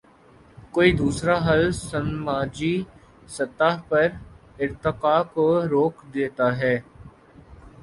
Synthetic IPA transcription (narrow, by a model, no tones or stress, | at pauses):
koːid̪uːsɾaɦɐlsɐmːaːd͡ʒi | sɐt̪aːɦpɐɾ | ɪɾt̪ɪqaːkoɾoːkd̪eːt̪aɦɛː